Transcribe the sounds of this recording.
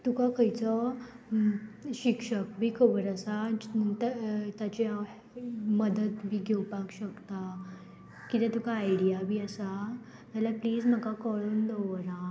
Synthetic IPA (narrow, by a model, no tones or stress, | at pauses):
t̪ukakəjt͡sɔ | ɕikʂək̚bʱiːkʰəbəɾəsat̪t̪at͡ɕe | məd̪ət̪bʱiːɡʱewpakɕəkt̪a | kit̪ẽt̪ukaːjɽijabʱiːəsa | t̪alapliːd͡zm̤əkakɔɭuːnd̪ɔʋɾa